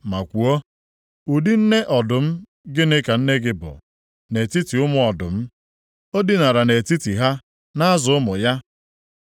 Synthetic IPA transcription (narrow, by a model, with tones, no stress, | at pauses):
ma˨kʷu˨o˦ | u˨di˦n̩˦ne˦ʔɔ˨dʊ˨m̩˦ | ɡɪ˦nɪ˦ka˨n̩˦ne˦ɡɪ˦bʊ̰˨ | ne˨ti˦ti˨ʊ˦mʊ˦ɔ˨dʊ˨m̩˦ | o˦dɪ˦na˨ɾa˨ne˨ti˦ti˨ɦa˦ | na˦zʊ˨ʊ˦mʊ˨ja˦